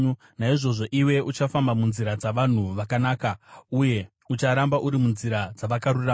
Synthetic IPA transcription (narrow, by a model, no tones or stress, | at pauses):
naiʐo̞ʐo̞ʔiwe̞ut͡ʃafambamunziɾad͡zaʋan̤uʋakanaːkauje̞ | ut͡ʃaɾambaʔuɾimunziɾad͡zaʋakaɾura